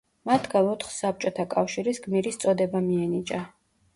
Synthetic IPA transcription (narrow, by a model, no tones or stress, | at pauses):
mat̪ʰɡalˠɔt̪ʰχsap̚t͡ʃʼɔt̪ʰakʼafʃiɾisɡmiɾist̪sʼɔd̪ɛbamiɛnit͡ʃʼa